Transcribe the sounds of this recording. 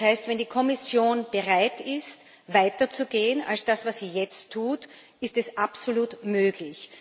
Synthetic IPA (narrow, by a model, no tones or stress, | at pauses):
haɪstvɛndiːkʰɔmɪsjoːnb̥əʁaɪtɪst | vaɪtɐt͡suɡeːəna̰lsd̥asvasz̥iːjɛt͡stʰːuːt | ɪstɛsʔapsoluːtmøːɡ̥lɪç